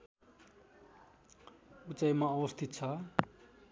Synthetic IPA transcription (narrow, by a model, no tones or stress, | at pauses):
ut͡sajmaʌbʌst̪ʰit̪̚t͡sʰʌ